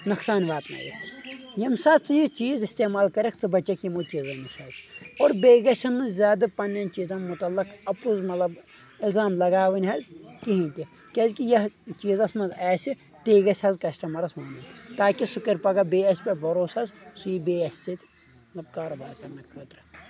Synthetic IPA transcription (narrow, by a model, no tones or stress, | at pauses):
nɐksaːnʲʋaːt̪nɐ̰ːjḭt̪ʰjɐmsaːt͡sɨjit͡ʃiːzist̪eːmaːlkɐɾɐkt͡sɨbɐt͡ʃɐkʰjimut͡ʃiːzɐnɨʃʲʰɐzoːɾbeːɡɐsʲɐnːɨzʲaːd̪ɨpɐnːɐnʲt͡ʃiːzɐnmut̪ɐlːɐkɐpuzmɐt̪lɐb | ilzaːmlɐɡaːʋɨnʲɦɐzkiɦĩnt̪ʲi | kʲɐzkijɐt͡ʃiːzɐsmɐnzaːsʲi | t̪eːɡɐsʲɐzkɐsʈɐmɐɾɐsmaːnɨnʲt̪aːkisukɐɾʲpɐɡɐbeːɐsʲpʲɐbʱɐɾoːsɐzsuibeːɐsʲt͡sit̪ʲ | ɐɐbkaːɾobaːɾkɐɾnɐkʰɐːt̪ɾɨ